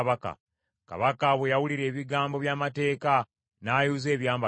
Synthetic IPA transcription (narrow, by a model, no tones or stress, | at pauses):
βaka̰ | ka̰βakaβwejawuliɾe̞ːβiɡaːmbo̞βjaːmate̞ːka | naːjuːze̞ːβjaːmba